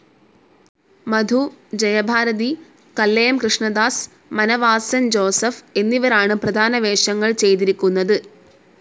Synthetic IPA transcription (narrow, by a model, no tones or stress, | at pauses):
mɐd̪ʱud͡ʑɐjɐbʱaːɾɐði | kɐlːɐjɐmkrɨʂɳɐd̪aːs | mɐnɐʋaːsɐnd͡ʑo̞ːsɐfe̞nːiʋɐɾaːɳɨprɐd̪ʱaːnɐʋeːʂɐŋːɐɭt͡ɕe̞jt̪iɾikʲːunːɐðɨ